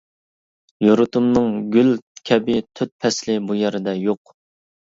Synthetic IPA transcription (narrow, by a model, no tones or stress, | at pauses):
joɾʊt̪ʰumnɨŋɡʲylkʲʰɛbɪt̪ʰyt̪̚pʰɛslɪbujɛɾɪd̪ɛjoq